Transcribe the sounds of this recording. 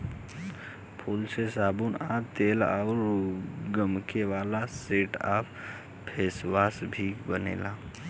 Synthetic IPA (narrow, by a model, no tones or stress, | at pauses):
pʰulsesabunabt̪eːlaʊɾɡəmkeʋaːlaseːʈa̰p | pʰeːswaːsbʱibənḛːla